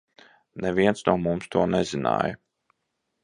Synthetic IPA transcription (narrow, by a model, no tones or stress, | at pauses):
neviɛnt̪snuɔmumst̪uɔnɛzina̰ːjə